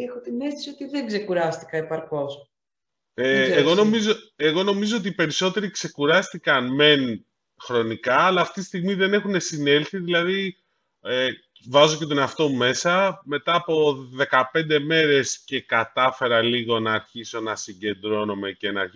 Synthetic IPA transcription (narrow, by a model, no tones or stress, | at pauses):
exot̪inest̪esio̞t̪iðeŋɡzsekuɾɐst̪i̥kɐepɐɾko̞s | eːɣo̞no̞mizoe̞ɣo̞no̞mizo̞ot̪ipe̞ɾiso̞t̪e̞ɾikse̞kuɾɐst̪ikɐnme̞n | xɾo̞nikɐːlɐːft̪it̪i̥st̪iɣmiðe̞ne̞xune̞sine̞lθiðilɐði | e | vɐzo̞ce̞t̪o̞neɐft̪o̞me̞sɐme̞t̪ɐːpo̞ðe̞kɐpe̞nd̪e̞me̞ɾe̞sce̞kɐt̪ɐfe̞ɾɐliɣo̞nɐːɾçiso̞nɐsiɲɟe̞nd̪ɾo̞nome̞ce̞nɐɾi